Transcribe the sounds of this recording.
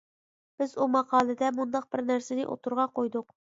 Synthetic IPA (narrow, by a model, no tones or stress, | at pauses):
b̥ɪzumɑqʰɑːlˠɨd̪ɛmund̪ɑq̚bɪɾnæɾsɪnɪʔo̰t̪ʰuɾʁɑqʰojd̪ʊq